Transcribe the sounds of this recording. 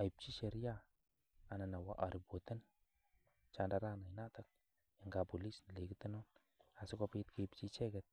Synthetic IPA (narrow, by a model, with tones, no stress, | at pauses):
a˨ji˨p̚t͡ʃi˦t͡ʃe˨ɾi˦jaː˦˨ | na˨na˨wa˦ʔa˨ɾi˨bo˨t̪ə˦n | t͡ʃanda˨ɾa˦na˨ina˦t̪a˨k̚ | a˨ŋɡa˨pu˨li˦sn˨le˨ki˦t̪ə˦no˦n | a˨si˦kopit̪̚ke˨ip̚t͡ʃi˦t͡ʃe˦ɡet̪̚